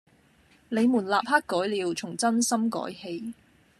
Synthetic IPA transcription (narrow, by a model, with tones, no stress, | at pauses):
nle˨˧jmuː˨˩nlaː˨p̚haː˥kːɔː˨˥jliː˨˧wt͡sʰʊ˨˩ŋt͡sɐ˥nsɐ˥mkɔ̰ː˨˥jhe˧j